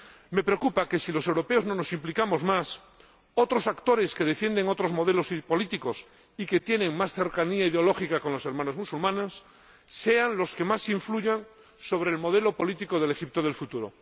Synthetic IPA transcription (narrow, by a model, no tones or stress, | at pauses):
me̞pɾeokupake̞silo̞sewɾo̞peo̞zno̞no̞simplikamo̞zmas | o̞t̪ɾo̞sakt̪o̞ɾe̞ske̞ð̞e̞fjend̪eŋo̞t̪ɾozmo̞ð̞e̞losipo̞lit̪iko̞s | ike̞t̪je̞nẽ̞ŋmasθe̞ɾkaniaiðeolo̞xikako̞nlo̞se̞ɾmãno̞zmusulmãnosː | e̞anlo̞ske̞masiɱfluʝaŋ | so̞β̞ɾe̞ːlmo̞ð̞e̞lo̞po̞lit̪ikoð̞elexip̚t̪oð̞e̞lfut̪uɾo